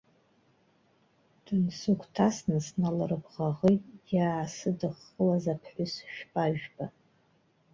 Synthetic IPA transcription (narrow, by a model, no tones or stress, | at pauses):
d̥ɨnsukʷʰʼtʰasnɨsnalɨrɨbʁaʁejtʼjaːsɨdɨχːəlazapʰħʷʊsʃᶣpʼaʒᶣba